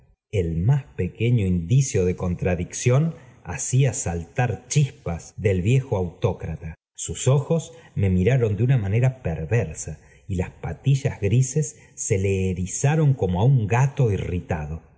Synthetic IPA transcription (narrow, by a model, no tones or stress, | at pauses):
elmaspeke̞ɲo̞ind̪isjo̞ðe̞ko̞nt̪ɾaðiksjo̞na̰siasalt̪aɾt͡ʃispazðe̞lβje̞xoawt̪o̞kɾat̪a | suso̞xo̞sme̞miɾaɾo̞nd̪eunamane̞ɾapeɾβeɾsa | ilaspat̪iʒazɣɾise̞sː | e̞leːɾisaɾo̞ŋko̞moauŋɡat̪o̞irit̪aðo̞